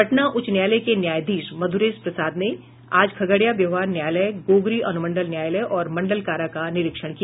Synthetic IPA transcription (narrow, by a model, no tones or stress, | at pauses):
pɐʈnaʔʊt͡ʃnjaːlɛkenjaːjd̪iːʃmɐd̪ʱuɾeːspɾɐsaːd̪ne | aːd͡ʒkʰɐɡəɽjaʋjɐʋaːɾnjaːjlɛɡoːɡɾiʔɐnʊmə̃ɳɖəlnjaːjlɛːʔɔːɾmɐ̃ɳɖəlkaːɾakanɪɾɪkʃəɽ̃kija